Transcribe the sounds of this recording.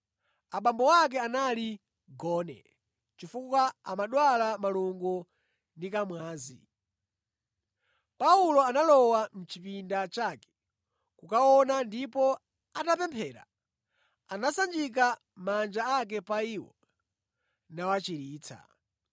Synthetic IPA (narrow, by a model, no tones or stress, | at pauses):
aɓambɔwak̬ɛanali | ɡɔːnɛ̰ | t͡ʃifukwaamaɗwalamaluŋɡu | ndikamwaːzḭ | paulɔanalɔwam̩t͡ʃipindat͡ʃakɛ̥ | kukaɔnandipɔ | atap̬ɛmpʰɛːɾa̰ | anasand͡ʒik̬a | mand͡ʒaak̬ɛpaiːwɔ̰ | nawat͡ʃiɾiːt͡sʰa̰